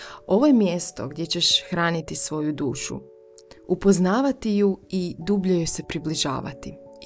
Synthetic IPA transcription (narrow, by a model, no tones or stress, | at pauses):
o̞ʋo̞jemje̞st̪o̞̰ɡd̪je̞t͡ɕe̞ʃxɾaːnit̪isʋo̞jud̪uːʃṵ | upo̞znaːʋat̪ijuid̪ubʎujuse̞pɾibliʒa̰ːʋa̰t̪i